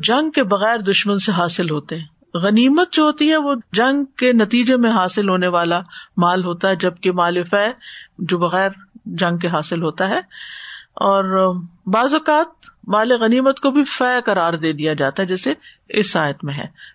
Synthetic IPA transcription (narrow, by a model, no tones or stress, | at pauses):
d͡ʒɐ̃ŋɡkebɐɣɛːɾd̪ʊʃmənseɦaːsɪlɦoːt̪eɦɛ̃ː | ɣɐniːmət̪̚d͡ʒoːɦoːt̪iɦɛʋod͡ʒɐ̃ŋɡkenɐt̪iːd͡ʒemẽɦaːsɪlɦoːneʋaːlamaːlɦoːt̪aɦɛd͡ʒɐb̚kemaːlefɛːd͡ʒoːbɐɣɛːɾd͡ʒɐ̃ŋɡ̚keɦaːsɪlɦoːt̪aɦɛː | ɔːɾbaːzʊkaːt̪̚maːleɣɐniːmət̪kobʱifɛːkɐɾaːɾd̪eːd̪ijad͡ʒa̰ːt̪aɦɛd͡ʒɛːse | ɪsaːjət̪mẽɦɛ̰̃ː